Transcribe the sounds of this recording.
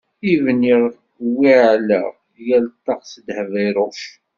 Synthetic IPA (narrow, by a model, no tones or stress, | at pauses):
ivniɾ | wːiʕlæ | jælt̪ːɑqsəd̪həviɾˤʊf